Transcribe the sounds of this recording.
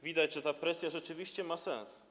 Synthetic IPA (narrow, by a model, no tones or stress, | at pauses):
vʲid̪ad͡ʑʐɛt̪apɾɛsʲjaʐɛt͡ʂɘvʲiɕt͡ɕɛmasɛ̰̃ñs